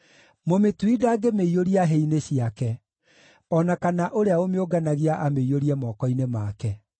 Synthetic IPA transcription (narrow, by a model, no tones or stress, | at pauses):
mometwidaːɡemeioɾiaɦeineɕiakɛ | ɔnakanaʔoɾeaomeoɡanaɣiaʔameioɾiɛmɔkɔinemaːkɛ